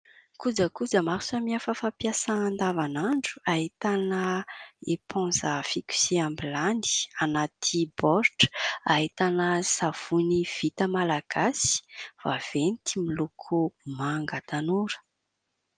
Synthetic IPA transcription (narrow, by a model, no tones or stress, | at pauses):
kud͡zəkud͡zəmaɾsamiafəfapjasaand̪avanaɳɖ͡ʐu̥aɦit̪anəepʰɔ̃zəfikʲy̥seambiland̪i̥anat̪ʰibɔɾʈ͡ʂaɦit̪anəsav̥univ̥it̪əmalaɡ̥asi̥v̥av̥enit̪imilukʰumaŋɡət̪anuɾə̥